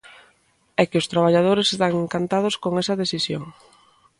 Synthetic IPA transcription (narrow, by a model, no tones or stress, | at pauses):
ɛkɪʊst̪ɾaβ̞aʎað̞oɾesest̪aŋeŋkant̪að̞ʊskoŋɛsɐðesisjo̰ŋ